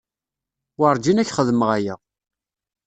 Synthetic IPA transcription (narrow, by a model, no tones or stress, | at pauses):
wɑɾˤd͡ʒinæçχəðməʁæjə